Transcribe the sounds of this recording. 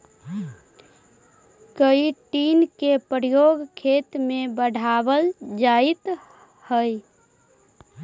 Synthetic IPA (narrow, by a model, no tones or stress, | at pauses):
kəiʈinkepɾjoɡkʰet̪mebəɽʱabəld͡ʒait̪ | həj